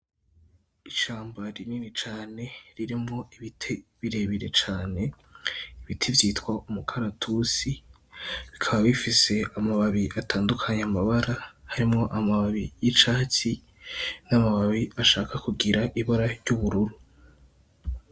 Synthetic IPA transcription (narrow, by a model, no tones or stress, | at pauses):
iʃaːmbaɾiniːnit͡ʃaːne̞ɾiɾimŋo̞iβitʰe̞βiɾe̞βiɾe̞t͡ʃaːne̞ | iβitʰevjiːtwaumukʰaɾatʰusi | βikʰaβaβifise̞amaβaβiʔataːndukʰaɲeamaβaɾahaɾimŋo̞ʔamaβaβijit͡ʃaːci | namaβaβiaʃaːkakuɡiɾaʔiβoɾaɾɟuβuɾuɾu